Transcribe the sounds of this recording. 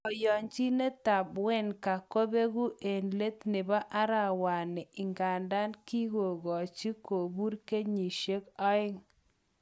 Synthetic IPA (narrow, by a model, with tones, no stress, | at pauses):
ɔ˨jɔ˨ɲt͡ʃi˦ne˦ta˨bwɛ˦nka˨ko˦be˦ɣu˦ʔe˨nle˦t̪nɪ˨ba˦ʔa˦ɾa˨wa˨nɪ˨ɪ˨ŋɡa˨nda˦nki˦ɣo˨ɡɔ˨t͡ʃi˦ko˨bu˦ɾke˦ɲi˨ʃe˦kɔ˦ɪ˦ŋ